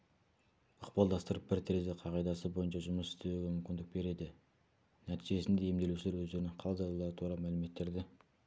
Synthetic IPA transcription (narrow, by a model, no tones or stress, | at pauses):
əqpɑlˠd̪ɑst̪əɾəp̚bɪɾt̪ʰɾezeqʰɑʁɑjd̪ɑsəbo̞jənʃɑʒʊməsɪ̥st̪e̞weɡʲemʏmkʲɪnd̪ɪk̚be̞ɾe̞d̪ɪ | næt̪ijʒe̞sɪnd̪e̞jemd̪e̞luʃɪleɾwɵzd̪e̞ɾɪnɪɴqʰɑlˠzɑlˠɑlˠɑɾət̪ʰuɾɑmælɪme̞t̪ːe̞ɾd̪ɪ